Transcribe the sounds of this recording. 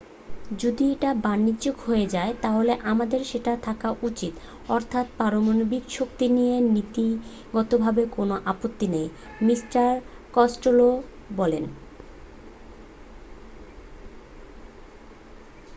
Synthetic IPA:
d͡ʑod̪ieʈabanːid͡ʑokhoed͡ʑaet̪aɦoleʔamad̪eɾʃeʈat̪ʰakaʔut͡ɕit̪ | ɔɾt̪ʰat̪paɾomonobikʃok̚t̪inijenit̪i | ɡɔt̪obʱabekonoʔapot̪ːinej | misʈaɾ | kɔsʈolo | bɔlen

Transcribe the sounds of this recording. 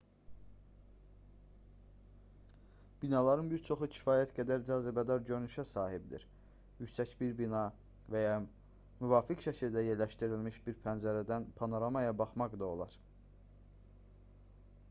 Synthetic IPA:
b̥inɑlˠɑɾɯnbiɾt͡ʃʰo̞χucʰi̥fɑːjæt̪ɟæd̪æɾd͡ʒɑːzebæd̪ɑɾɟønyʃæsɑːhibd̪ḭɾ | jycsæcbiɾbinɑ | væjɑ | myvɑːficʃʰæcʰiɾd̪æjeɾlæʃt̪iɾilmiʃbiɾpʰænzæɾæd̪ænpʰɑnoɾɑmɑjɑbɑχmɑɡd̪ɑo̞lˠɑɾ

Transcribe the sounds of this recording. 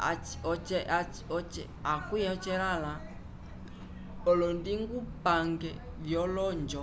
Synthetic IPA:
a̰t͡ʃɔt͡ʃɛat͡ʃɔt͡ʃɛakujɔt͡ʃɛɾala | ɔlɔndiŋɡupaŋɡɛvjɔlɔɲd͡ʒɔ

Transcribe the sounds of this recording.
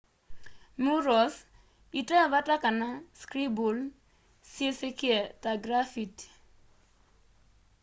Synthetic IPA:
muɾɔs | itɛβatakanaskɾibul | sjesekɪɛtaɡɾafit

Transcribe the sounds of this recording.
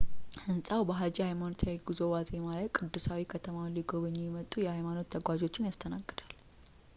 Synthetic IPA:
hɨnsʼawbəɦad͡ʒihajmanot̪ʰjajɛɡizo̞wazʼemalajkʼɨd̪ːɨsawikʰət̪ʰəmawnliɡo̞βəɲːejɛmət̪ʼujɛhajmano̞t̪ʰːəɡʷad͡ʒo̞t͡ʃːɪnjast̪ʰənaɡːɨd̪al

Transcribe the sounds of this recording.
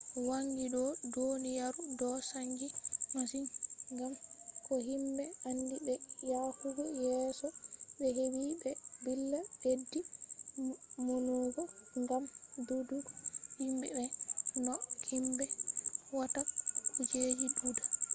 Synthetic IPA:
waŋɡidɔdonijaɾudɔsaŋɡinɔsinŋɡamkɔhimbɛandibɛjahuɡɔjɛːsɔɓɛɦewibɛbilːadedːi | munuɡɔŋɡamduduɡɔhimbɛbɛnɔhimbɛwatakud͡ʒed͡ʒiɗuda

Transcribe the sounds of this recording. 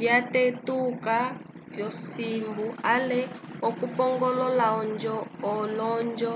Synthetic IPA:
vjatetuka | vjɔsimbuʔalɛɔkupɔŋɡɔlɔlaɔnd͡ʒɔɔlɔnd͡ʒɔ

